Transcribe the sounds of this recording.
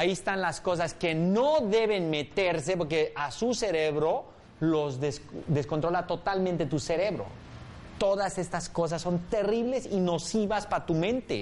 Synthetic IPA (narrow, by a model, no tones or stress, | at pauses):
aiest̪anlasko̞s̬aske̞noðe̞βe̞nme̞t̪eɾse̞po̞ɾk̬eʔasuse̞ɾe̞βɾo̞ | lo̞zðesðe̞skont̪ɾo̞lat̪o̞t̪almẽnt̪et̪use̞ɾe̞βɾo̞̰ | t̪o̞ðase̞st̪asko̞s̬asːo̞nt̪e̞riβle̞sino̞siβaspat̪umẽ̞nt̪ḛ